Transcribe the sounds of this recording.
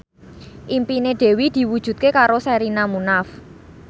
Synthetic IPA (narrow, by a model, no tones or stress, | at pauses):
ʔimpineɖ̪̥e̤wid̪̥i̤wud̥ʒ̥ṳt̪̚kekaɾosɛɾinamunaf